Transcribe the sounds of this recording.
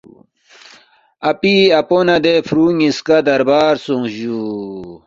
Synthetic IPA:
ɐpiɐponɐd̪efɾuːŋiskad̪ɐɾbaːɾsuŋʑu

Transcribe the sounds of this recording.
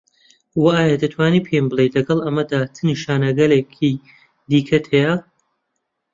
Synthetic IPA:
waaːjad̪ɐt̪ʰwaːniːpʰemblˠejlɐɡɐlˠɐmɐd̪aːt͡sɨniʃaːnɐɡɐleːkʰiː | d̪iːkʰɐt̪ʰeja

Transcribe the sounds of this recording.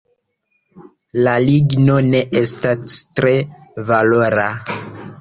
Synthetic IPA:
laliɡnone̞ʔestastɾe̞valo̞ɾa

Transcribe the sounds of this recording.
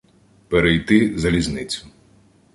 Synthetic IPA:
peɾejt̪ɪzɐlʲizʲnɪt͡sʲʊ̥

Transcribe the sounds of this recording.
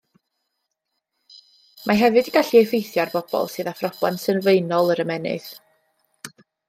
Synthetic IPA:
mʔaɦɛvɨdiɡaɬiejfejθjarbɔb̥ɔ̰lˠsɨːðafrɔb̥a̰nsənvejnɔlˠəɾəmɛnɪ̰θ

